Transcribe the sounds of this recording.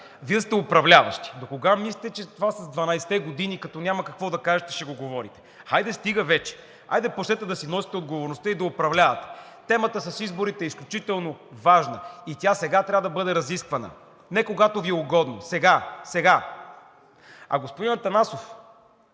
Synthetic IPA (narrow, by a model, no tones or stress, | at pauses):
viəst̪ɛopɾɐvlʲavə̰ʃt̪i̥d̪okoɡamislʲit̪ɛt͡ʃɛt̪ovasɐzd̪vɐnajsɛ̥t̪ɛɡod̪inikɐt̪ɔnʲamɐkɐkvɔd̪ɐkaʒɛt̪ɛ̥ʃɛɡoɡovɔɾit̪ɛ̥ajd̪ɛst̪iɡəvɛt͡ʃɛ̥ | a̰jd̪ɛpot͡ʃt̪ɛt̪ɛd̪ɐsinɔsi̥t̪ɛod̪ɡovoɾnost̪əid̪ɐopɾɐvlʲavɐt̪ɛ̥ | t̪ɛmət̪əsɐsizboɾit̪ɛisklʲut͡ʃit̪ɛlˠnovaʒnəit̪ʲasɛɡat̪ɾʲavəd̪ɐbɤd̪ɛɾɐziskvɐnə̰ | nɛkoɡat̪oviɛʊɡɔd̪nosɛɡasɛɡa | ɐ̰ɡospʊd̪inɐt̪ɐnasof